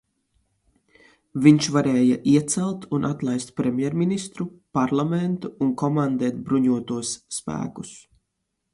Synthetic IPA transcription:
viɲt͡ʃvaɾɛːjaʔiɛt̪sælˠt̪ʰunʔat̪lˠajst̪̚pɾɛmʲjɛɾminist̪ɾupaɾlˠamɛnt̪uːnkɔmand̪ɛːt̪̚bɾuɲuɔt̪uɔsːpæ̰ːku̥s

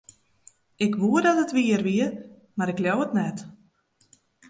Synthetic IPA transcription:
ɪkʋuədɔtətʋiərʋiə | maɾɪkljɔwətnɛt

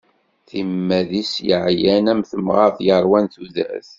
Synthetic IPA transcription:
θimːæðisjəʕjænæmθəmʁɑθjəɾˤwænθuðæ̰θ

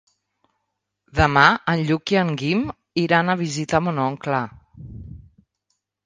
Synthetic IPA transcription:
d̪əmaənʎukiəŋɡim | iɾanəβ̞izit̪əmunɔŋklə

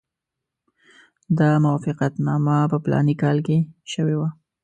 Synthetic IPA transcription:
d̪ɑmawɑfɪqat̪nɑmapəplɑ̰nikɑlkeʃəwewa

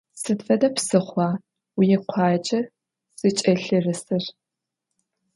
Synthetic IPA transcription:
sɨtfɐdɐpsɨχʷɑː | wjɛqʷʰɑːt͡ʃʼɐr | z̥ɨt͡ʃʼɐɬɨrɨsɨr

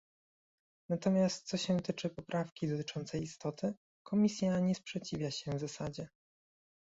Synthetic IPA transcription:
nat̪ɔmʲjast̪̚t̪sɔɕɛt̪ɘt͡ʂɘpɔpɾʔafkʲid̪ɔt̪ɘ̥t͡ʂɔnt̪sɛjist̪ɔt̪ʰɘ | kʰɔmʲisʲjaɲɛspʂɛt͡ɕivʲjaɕɛvzasad͡ʑɛ

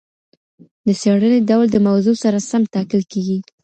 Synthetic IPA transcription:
d̪əseɽəned̪awld̪əmawzosaɾasamt̪ɑkɪlkeɡi

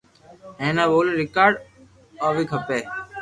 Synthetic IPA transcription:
ẽːnãːʋoːleːɾɪkaːɖ | aːʋiːkʰəpeː

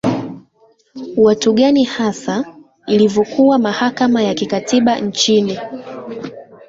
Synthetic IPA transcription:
watuɠanihasa | ilivɔkuwamahakamajakikatiɓant͡ʃini

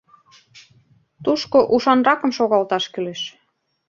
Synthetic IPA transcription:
t̪uʃkoʔuʃɑnrɑkɤ̆mʃoɣɑlt̪ɑʃkyleʃ

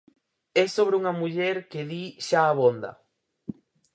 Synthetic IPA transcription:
esoβɾeuŋamuʎeɾkeðiʃaːβond̪a̰

